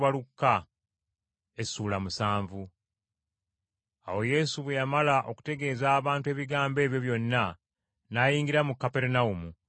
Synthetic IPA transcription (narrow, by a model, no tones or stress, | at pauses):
βalukːa | esuːlamusaːɱvu | awo̞je̞ːsuβwejamalaʔo̞ku̥te̞ɡe̞ːzaːβaːntwe̞ːβiɡaːmbe̞ːβjo̞βjo̞nːa | naːjiːŋɡiɾamukːape̞ɾunaumu